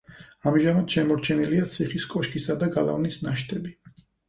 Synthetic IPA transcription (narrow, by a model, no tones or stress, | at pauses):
amʒamad̪̥ʃɛmɔɾt͡ʃʰɛniliat̪sʰiχiskʼɔʃkʰʼisad̪aɡalˠa̰vnisnaʃt̪ʰʼɛbi